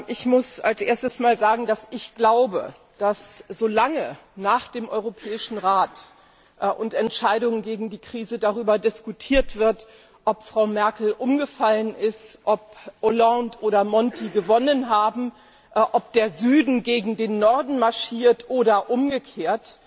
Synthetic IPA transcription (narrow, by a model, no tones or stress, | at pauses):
ʔɪçmʊsalsʔeːɐstəsmaːlzaːɡŋ̩dasɪçɡ̥laʊbə̰ | d̥asz̥oːlaŋə | naːχd̥eːmʔɔʏʁopʰɛːɪʃn̩ʁaːt | ʔʔʊntɛntʃaɪɾʊŋənɡeːɡŋ̩diːkʁ̥iːzədaʁyːbɐdɪskutʰiːɐtv̥ɪɐt | ʔɔpfʁ̥aʊmɛɐkl̩ʔʊmɡəfalənʔɪstʔɔpʔolantʔoːɾɐmɔntʰiɡəvɔnənɦaːbm̩ | ʔʔɔp̚d̥eːɐzyːdn̩ɡeːɡŋ̩deːnːɔɐdn̩maɐʃiːɐtʔoːɾɐʔʊmɡəkʰeːɐt